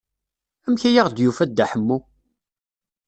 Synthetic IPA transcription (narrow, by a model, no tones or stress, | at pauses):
æmçæjaʁd̪jufæd̪ːaħəmːu